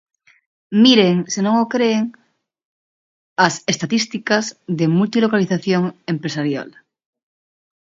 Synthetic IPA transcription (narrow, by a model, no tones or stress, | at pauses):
miɾeŋsenõŋokɾeːŋ | ɐsest̪at̪ist̪ikazðemult̪ilokaliθaθjoŋempɾesaɾja̰l